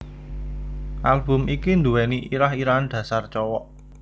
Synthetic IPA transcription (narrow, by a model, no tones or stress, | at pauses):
ʔalb̥ʊ̤mikind̪uwɛniʔiɾaɦiɾand̪̥ä̤sart͡ʃɔwɔʔ